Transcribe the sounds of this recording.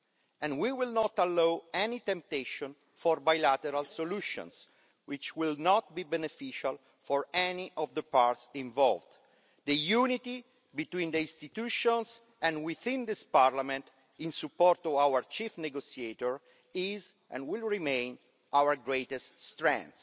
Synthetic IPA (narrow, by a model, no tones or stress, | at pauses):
ɛ̃nwiwilnɔt̪alːowɛnit̪ɛ̃mp̚t̪eʃɔ̃n | fɔɾbajlat̪ɛɾalsoluʃɔ̰̃ns | wit͡ʃwilnɔt̪̚bibɛnefiʃal | fɔɹɛniʔɔvd̪əpaɾt̪sĩɱvɔlvd̪ | d̪əjunit̪i | bit̪wĩnd̪əĩnst̪it̪uʃɔ̃ns | ɛ̃nwiθĩnd̪ispaɾlamɛ̃nt̪ | ĩnsupːɔɾt̪ɔawəɹt͡ʃifneɡosiet̪ɔɹ | iz | ʔɛ̰̃nwilɹimẽjn | ʔawəɡɹet̪ɛst̪st̪ɾɛ̰̃nt̪s